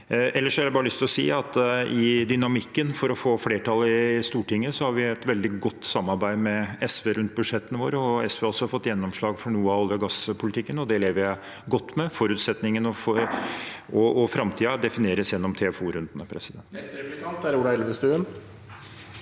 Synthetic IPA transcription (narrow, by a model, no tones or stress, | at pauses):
ɛlːəʂɔhæɾæbɑːɾəlʏst̪ɪlɔsḭːɑt̪ɪd̪ʏnɑmɪkːənfɔɾɔfoːfleːʈʰɑlːɪst̪uːʈɪŋːəsɔhɑɾʋɪɛt̪ʋɛld̪ɪɡɔt̪ːsɑmːɑɾbæɪmɛɛsʋeːɾʉnt̪̚bʉd̪ʂɛt̪ːənəʋoːɾəɔɛsʋeːɔsːɔhɑɾfɔt̪ːjɛnːɔmʂɭɑːɡfɔɳuːəɑɔlɪɔɡɑspʰʊlɪt̪ʰɪkːənɔd̪ɛleːʋəɾjæɪ | ɡɔt̪ːmɛfɔɾʉːt̪sɛt̪nɪŋənɔfɔ | ɔɔfɾɑmt̪ʰiːɑd̪ɛfɪneːɾəsjɛnːɔmt̪ʰɛfuːɾʉnd̪nəpʰɾɛsɪd̪ɛnt̪ɪkɑt̪æɾuːɖɑɛlʋəst̪ʉːən